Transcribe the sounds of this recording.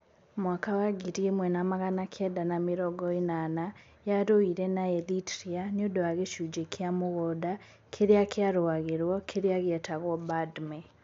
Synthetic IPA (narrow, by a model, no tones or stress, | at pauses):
mwakawaɡiɾiemwɛnamaɣanakʰɛdanameɾɔɡɔinana | jaɾoiɾɛnaɛlitɾianodowaɣeʃud͡ʒekʰeamoɣɔda | kʰeɾeakʰeaɾowaɣeɾwɔkʰeɾeaɣɛtaɣɔbadmɛ